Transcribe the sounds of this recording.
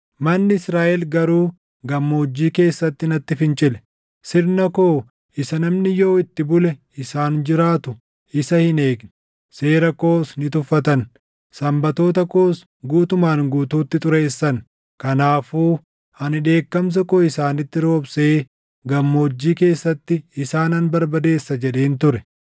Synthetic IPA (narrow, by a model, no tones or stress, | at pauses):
mɐnːɪɪsɾaːʔɛlɡɐɾuː | ɡɐmːoːd͡ʒːiːke̞ːsːɐt̪ːɪnɐt̪ːɪfɪnt͡ʃʼɪlɛ̥ | sɪɾnɐkoː | ʔɪsɐnɐmnɪjo̞ːɪt̪ːɪbʊlɛ | ɪsaːnd͡ʒɪɾaːt̪ʊ | ʔɪsɐhɪne̞ːɡnɛ | se̞ːɾɐko̞ːsnɪt̪ʊfːɐt̪ɐn | sɐmbɐt̪o̞ːt̪ɐko̞ːs | ɡuːt̪ʊmaːnɡuːt̪uːt̪ːɪt̪ʼʊɾeːsːɐn | kɐnaːfuː | ɐnɪᶑe̞ːkːɐms̬ɐkoːɪsaːnɪt̪ːɪɾo̞ːbseː | ɡɐmːo̞ːd͡ʒːiːke̞ːsːɐt̪ːɪɪsaːnɐnbɐɾbɐd̪e̞ːsːɐd͡ʒɛᶑeːnt̪ʊɾɛ